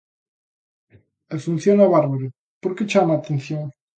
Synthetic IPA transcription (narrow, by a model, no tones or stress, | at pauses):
efun̟θjonaβaɾβoɾe | poɾket͡ʃamaːt̪ẽn̟θjoŋ